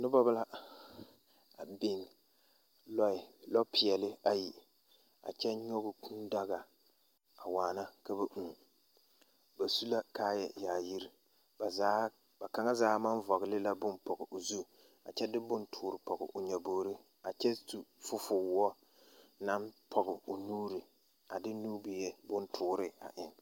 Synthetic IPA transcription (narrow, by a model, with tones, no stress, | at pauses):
nɨ˦bɔ˦ba˦la˦ | a˨be˦ŋ | lɔ˦ɪ˨lɔ˦pʰɪ˨ɛ˨lɪ˦a˦ji˨ | a̰˨t͡ʃɛ˦ɲɔ˦ɡʊ˨kʰu˦nda˦ɡa˨ | a˨waː˨na˦ka˦bɛ˨ʔu˨ | ba˨su˦la˦kaː˦jɛ˨jaː˨ji˦ɾi˦ | ba˨zaː˦ | ba˨ka˨˦ŋa˦zaː˦ma˦nvɔ˨ɣɪ˨lɪ˦la˦bʊ˦npɔ˨ɡɪ˨ʔo˨zu˦ | a̰˨t͡ʃɛ˦dɪ˦bʊ˦ntʰʊː˨ɾɪ˨pɔ˨ɡɪ̰˨ʔoʊ˨ɲɛ˨boː˨ɾɪ˦ | a˨t͡ʃɛ˦tu˨fʊ˦fʊ˨wɔ˦ | na˦mpʰɔ˨ɡɪ˨o˨nuː˦ɾi˨ | a˨dɪ˦nuː˦bi˨jɛ˦bʊ˦ntʰʊː˦ɾɪ˦a̰˨ʔɪ˦n